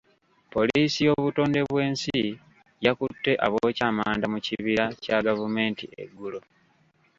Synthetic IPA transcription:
po̞liːsijo̞βuto̞ːnde̞βwe̞ːnsi | jakutːe̞ʔa̰βoːcaːmaːndamuciβiɾacaɡavume̞ːntḭḛɡːulo

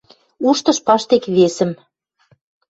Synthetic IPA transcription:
uʃt̪ɤ̆ʃpɑʃt̪ekβesə̆m

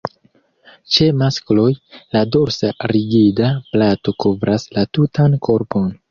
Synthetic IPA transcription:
t͡ʃe̞masklo̞jlado̞ɾsaɾiɡidaplato̞kovɾʔaslatutankʰo̞ɾpo̞n

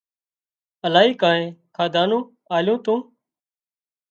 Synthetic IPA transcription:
əlaːɦiːkãːnẽːkʰaːd̪aːnũː | aːljõːt̪ũː

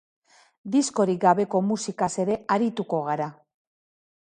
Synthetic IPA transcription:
d̪isko̞ɾiɡaβe̞ko̞musikase̞ɾe̞aɾit̪uko̞ɣ̞aɾa

